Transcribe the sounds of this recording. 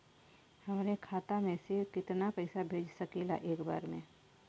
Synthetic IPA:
hɐmnekʰaːt̪amẽsekɪt̪napɛɪsabʱeːd͡ʒsɐkela̰ʔeːkba̰ːɾmḛ̃ː

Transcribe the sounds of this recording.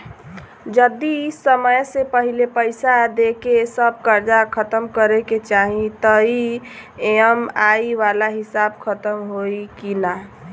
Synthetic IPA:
d͡ʒəd̪isəməjsepəɦilepəɪsad̪ekesəb̚kəɾd͡ʒakʰət̪əmkəɾeket͡ʃaɦĩt̪əieəmaiʋalaɦɪsab̚kʰət̪əmɦoikina

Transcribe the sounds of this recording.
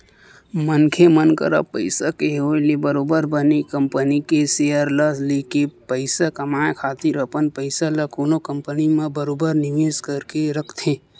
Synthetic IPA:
mənkʰemənkə̰ɾə̰pəɪsakeɦolebəɾoːbəɾbənekəmpənikesejəɾləslekepəɪsakəmaːjkʰaːt̪iɾəpənpəɪsaləkoːnokə̃mpənimẽbəɾoːbəɾnɪʋeːskəɾkeɾəkʰt̪ʰe

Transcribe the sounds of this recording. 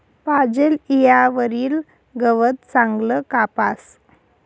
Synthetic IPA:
pad͡ʑelijaʋəɾiːl | ɡəʋət̪̚t͡sãŋɡləkapas

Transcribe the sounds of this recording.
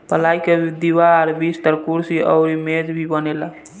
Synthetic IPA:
pəlajked̪iʋaːɾbist̪əɾkuɾsiʔə̰ʊɾimed͡ʒbʱibənela

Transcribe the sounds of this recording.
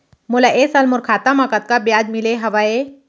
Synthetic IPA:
mulaʔesalmuɾkʰat̪amakat̪̚kabjad̪mileɦɐʋae

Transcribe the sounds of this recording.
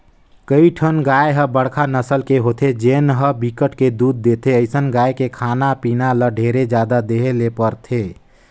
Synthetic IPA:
kəiʈʰənɡajɦəbəɽkʰanəsəlkeɦot̪ʰed͡ʒenɦəbikəʈked̪uːd̪̚ːet̪ʰeəɪsənɡajkekʰanapinaləɖʱeɾed͡ʒjad̪ad̪eɦelepəɾt̪ʰe

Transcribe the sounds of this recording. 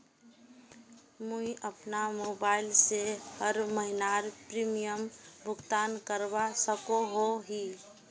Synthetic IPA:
muiʔəpnamoːbaːɪlsehəɾməɦɪnaɾpɾimijəmbʱʊɡt̪aːnkəɾbasəkoɦoɦi

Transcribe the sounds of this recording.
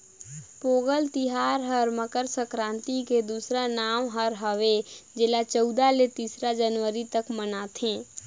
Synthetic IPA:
poːɡəlt̪ɪɦaːɾɦəɾməkəɾsəkɾãːnt̪iked̪uːsɾanaːmɦəɾɦəʋed͡ʒɪlat͡ʃəʊd̪alet̪iːsɾad͡ʒənʋəɾit̪əkmənat̪ʰẽː

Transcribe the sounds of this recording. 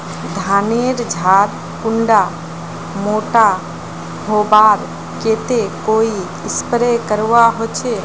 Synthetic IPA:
d̪ʱaneɾd͡ʒʱaɾ | kuɳɖa | moʈa | ɦobaɾ | ket̪ekoi | ɪspɾekəɾʋaɦot͡ʃʰe

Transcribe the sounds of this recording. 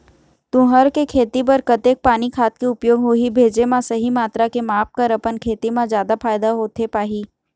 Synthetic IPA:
t̪ʊ̃ɦəɾkekʰeːt̪ipɐɾkɐt̪eːk̚paːnikʰaːt̪kiʊpjoːɡɦoibʱeːd͡ʒemãsɐɦimaːt̪ɾakemaːp̚kəɾɐpənkʰeːt̪imãzjaːd̪apʰaːjd̪aɦoːt̪epaːɦiː

